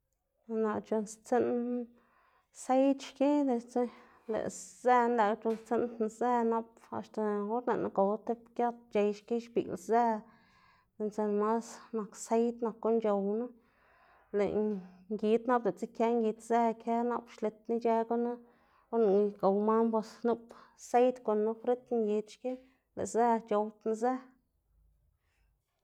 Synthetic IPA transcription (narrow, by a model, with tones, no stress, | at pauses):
na˨t͡ʃo˧nst͡se˦n | se˦jt̪ʃke˦d̪e˧t͡se˦ | lḛ˨ʔze˧nla˨kt͡ʃo˧nst͡se˦n˧ze˦na˧p̚ | a̰˨˧ʃt̪a˨o˦ɾne˨na̰˦ɡo˨wt̪e˦pkja˦t̪̚t͡ʃe˧jʃki˦ʃbḭ˨lze˦ | d̪̥e˧˨nt͡se˧nma˦sna˨kse˦jt̪na˨kːo˦nt͡ʃo˧wna˦ | lḛ˨ŋɡi˧t̪na˦ple˨t͡se˦kje˦ŋɡi˧t̪ze˦kʰe˦na˦pʃle˧t̪ni˦t͡ʃe˧ɡo˦na˦ | o˦na˨ɡo˨wma˦mbo˧snu˦pse˦jt̪kʷo˨nːu˦fɾe˦t̪ŋɡi˧d̪ʃki˦ | lḛ˨ze˦t͡ʃo˧wt̪na˧ze˦